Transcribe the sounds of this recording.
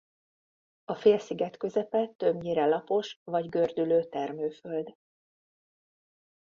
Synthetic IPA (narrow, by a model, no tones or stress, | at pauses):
ɒfeːlsiɡɛt̪kø̞zɛpɛt̪ːø̞bɲiɾɛlɒpo̞ʃvɒɟɡø̞rd̪yløːt̪ɛrmøːføld̪